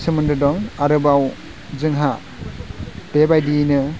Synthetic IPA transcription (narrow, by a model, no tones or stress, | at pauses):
sɯmɯndɯdɔŋaɾɯbaw | zɯŋɦa | tebajdinɯ